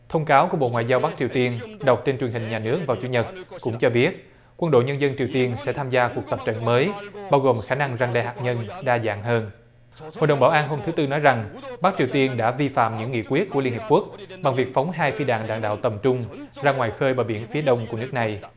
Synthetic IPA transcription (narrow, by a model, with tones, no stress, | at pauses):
t̪ʰə˧wŋ͡mkaː˨˦wku˧˩əɓo̰˧˨ŋwa̰ː˧˨jzaː˧wɓa˦˥k̚t͡ɕi˨˩əwt̪i˧ənɗə˨˩wk͡p̚t͡ɕe˧nt͡ɕwi˨˩ənhï˨˩ŋ̟ɲaː˨˩nɨ˦˥ək̚vaː˨˩wt͡ɕu˨˦ɲə˨˩t̚kʊ̰˧˥ŋ͡mt͡ɕɔ˧ɓi˦˥ət̚ | kwə˧nɗo̰˧˨jɲə˧nzə˧nt͡ɕi˨˩əwt̪i˧ənsɛ̰˧˥t̪ʰaː˧mzaː˧ku˨˩ək̚t̪ə˨˩p̚t͡ɕə̰˧˨nməː˨˦jɓaː˧wɣo˨˩mxaː˧˩na˧ŋzaː˧ŋɗa̰ː˧˨jhaː˨˩k̚ɲə˧nɗaː˧za̰ː˧˨ŋɦəː˧n | ho̰˨jɗə˨˩wŋ͡mɓaː˧˩wʔaː˧nɦo˧mt̪ɨ˨˦t̪ɨ˧nɔ˨˦jza˨˩ŋɓa˦˥k̚t͡ɕi˨˩əwt̪i˧ənɗa̰ː˧˥vi˧fa̰ː˧˨mɲɨ̰˧˥ŋːḭ˧˨əkwi˦˥ət̚ku˧˩əli˧nhi˨˩p̚ku˦˥ək̚ɓa˨˩ŋvi˨˩ək̚fa˨˦wŋ͡mɦaː˧jfi˧ɗa̰ː˧˨ŋɗa̰ː˧˨ŋɗa̰ː˧˨wt̪ə˨˩mt͡ɕʊ˧ŋ͡mzaː˧ŋwaː˨˩jxəː˧jɓaː˨˩ɓḭ˧˩ənfi˨˦əɗə˧wŋ͡mku˧˩ənɨ˦˥ək̚na˨˩j